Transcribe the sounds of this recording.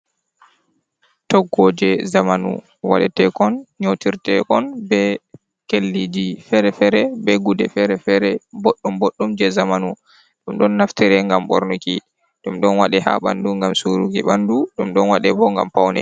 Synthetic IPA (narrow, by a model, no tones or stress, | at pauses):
tɔɡɔd͡ʒɛzamanṵ | wa̰ɗɛtɛkɔnɲotiɾtɛ̰kɔnbɛ | kelːid͡ʒifɛɾɛfɛɾɛbɛɡudɛfɛɾɛfɛɾɛboɗːumboɗːumd͡ʒɛzamanu | ɗumɗɔnːaftɛɾɛŋɡamɓo̰ɾnuki | ɗumɗɔnwaɗɛha̰ɓa̰nduŋɡamsuɾukiɓanduɗumɗɔnwaɗɛbɔŋɡa̰mpawnɛ̰